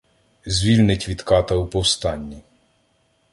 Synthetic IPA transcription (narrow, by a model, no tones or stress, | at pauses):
zʲʋʲilʲnɪtʲʋʲid̪kɑt̪ɐupɔwst̪ɑnʲːi